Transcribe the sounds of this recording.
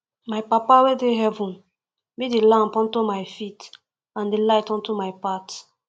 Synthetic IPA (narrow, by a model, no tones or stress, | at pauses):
majpapawedeɦɛvũn | bidelãmpɔ̃ntumajfit | ãndelaɪtɔ̃ntumajpat